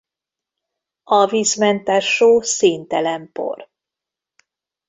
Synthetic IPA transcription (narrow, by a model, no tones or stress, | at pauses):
ɒviːzmɛnt̪arʃoːseːnt̪ɛlɛmpo̰r